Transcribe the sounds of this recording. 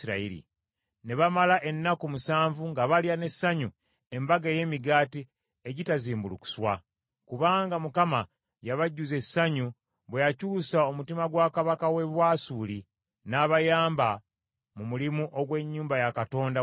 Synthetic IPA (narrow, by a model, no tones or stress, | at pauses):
ɾa̰iɾḭ | ne̞βamalaʔe̞nːakumusaːɱvuŋɡaβaljane̞sːaɲu | e̞mbaɡeje̞miɡaːti | e̞ɟitaziːmbuluku̥swa | kuβaːŋɡamukama | jaβaɟːuze̞sːaɲu | βwe̞jacuːsao̞mutimaɡwaːkaβakawe̞βwaːsuːli | naβajaːmba | mumulimuʔoɡwe̞ɲːuːmbajakato̞ːnda